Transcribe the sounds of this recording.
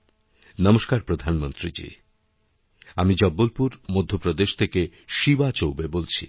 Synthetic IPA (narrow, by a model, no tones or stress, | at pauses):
nɔmoʃkaɾpɾod̪ʱanmont̪ɾid͡ʑḭ | amid͡ʑɔbːolpuɾmod̪ʱːopɾod̪eʃt̪ʰeke | ʃibat͡ɕowbebolt͡ɕʰḭ